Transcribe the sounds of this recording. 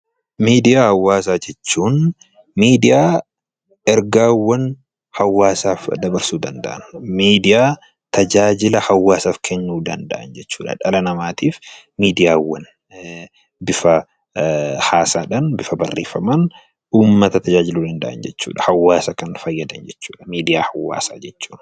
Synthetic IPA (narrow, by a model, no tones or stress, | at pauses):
miːd̪ɪjaːhɐwːaːs̬aːd͡ʒɛt͡ʃːuːn | miːd̪ɪjaː | ɛɾɡaːwːɐn | hɐwːaːsaːfd̪ɐbɐɾsuːd̪ɐnd̪ɐ̰ʔɐnmiːd̪ɪjaː | t̪ʰɐd͡ʒaːd͡ʒɪlɐhɐwːaːsaːfkʰɛɲːuːd̪ɐnd̪ɐ̰ʔɐ̰nd͡ʒɛt͡ʃːuːᶑɐ̰ᶑɐlɐnɐmaːt̪iːf | miːd̪ɪjaːwːɐn | bɪfɐ | haːsaːᶑɐnbɪfɐbɐrːeːfɐmɐn | uːmːɐt̪ɐt̪ʰɐd͡ʒaːd͡ʒɪluːd̪ɐnd̪ɐʔɐ̰nd͡ʒɛt͡ʃːṵːᶑɐ̥hɐwːaːsɐkɐnfɐjːɐd̪ɐnd͡ʒɛt͡ʃːuːᶑɐ̥miːd̪ɪjaːhɐwːa̰ːsaːd͡ʒɛt͡ʃːu̥ːn